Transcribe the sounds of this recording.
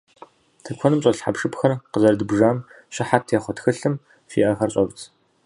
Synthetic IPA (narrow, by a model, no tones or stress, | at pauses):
tʰɨkʷʰɔnɨmɕʼɐɬħapʂɨpxɐrqəzɐrdɨbʐaːm | ɕɪħatʰjeːχʷɔtxɨɬɨm | ʃḭːʔɐxɐrɕʼɐbt͡sʰ